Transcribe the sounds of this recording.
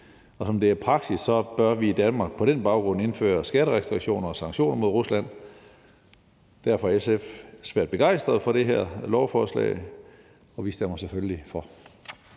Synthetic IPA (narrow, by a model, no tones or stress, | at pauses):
ɒ̽sɒ̽md̥e̝æɐpʰʁɑ̈ɡ̥̚d̥issɒ̽b̥ɶɐʋiːd̥ænmɑ̈ːɡ̥̚pʰɒ̽ɾ̥enb̥ɑ̈ʊɡ̥ʁɔ̽n̰e̝nfø̰ːɐsɡ̥æɾ̥əʁɛsd̥ʁiɡ̥ɕo̝̰ːnɐɒ̽sɑ̈ŋɕo̝̰ːnɐmo̝ð̞ˠʁuslæn̰ | d̥æɐ̰fɒ̽hæɐesefsʋæɐ̰d̥̚b̥e̝ɡ̥ɑ̈ɪ̰sd̥ʁɐð̞̩ˠfɒ̽ɾ̥e̝ɦæɐ̰lɒʊfɒːslɛ̰ɪ | ɒ̽ʋiːsd̥emɐsefølifɒ